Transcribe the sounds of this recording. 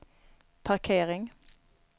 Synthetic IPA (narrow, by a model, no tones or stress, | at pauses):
pʰɑʁkʰeːʁɪŋ